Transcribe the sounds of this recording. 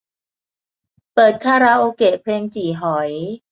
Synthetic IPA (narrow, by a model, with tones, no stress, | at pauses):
pɤː˨˩t̪̚kʰaː˥˩ɾa˦˥ʔoː˧keː˨˩pʰleː˧ŋt͡ɕiː˨˩ɦɔ˩˦j